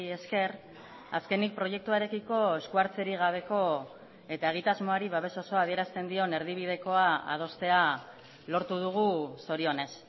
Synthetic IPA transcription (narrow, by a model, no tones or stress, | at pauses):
e̞ske̞r | aske̞nik̚pɾo̞je̞k̚t̪uaeɾe̞kiko̞e̞skuaɾt͡se̞ɾiɣ̞aβ̞e̞ko̞ | e̞t̪ae̞ɣ̞it̪azmo̞aɾiβaβe̞so̞so̞að̞ie̞ɾast̪e̞nd̪io̞ne̞ɾð̞iβ̞ið̞e̞ko̞aa̰ð̞o̞st̪e̞a | lo̞ɾt̪uð̞uɣ̞uso̞ɾio̞ne̞s